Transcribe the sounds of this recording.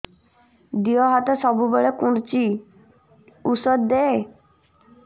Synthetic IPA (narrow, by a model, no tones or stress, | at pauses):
d̪iɔɦɔt̪ɔsɔbubɔɭekuɽt͡ʃi | usɔɾd̪ee